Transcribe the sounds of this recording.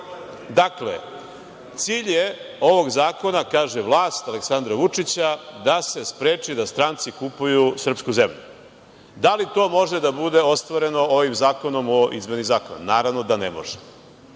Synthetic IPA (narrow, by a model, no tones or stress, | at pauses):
d̪aklḛ | t̪siːʎjeo̞ʋo̞ɡzaːko̞nakaːʒeʋlˠaːst̪aleksand̪ɾaʋut͡ʂit͡ɕad̪ase̞spɾe̞ːt͡ʂid̪ast̪ɾant̪sikupujusr̩pskuzemʎu | d̪alit̪o̞ːmo̞ʒed̪abud̪eo̞st̪ʋaɾe̞no̞oʋimzaːko̞no̞moʔḭzmenizaːko̰na̰naːɾaʋnod̪anemo̰ʒe̥